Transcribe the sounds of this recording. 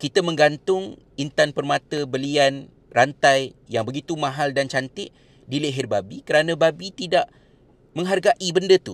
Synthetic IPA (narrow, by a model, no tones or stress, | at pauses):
kit̪əmə̃ŋɡant̪ʊŋ | int̪anpərmãt̪əbəlian | rant̪ajjaŋbəɡit̪umãɦaldant͡ʃant̪ɪʔ | dileɦɪrbabikəɾanãbabit̪idaʔ | mə̃ŋɦarɡaʔibəndət̪u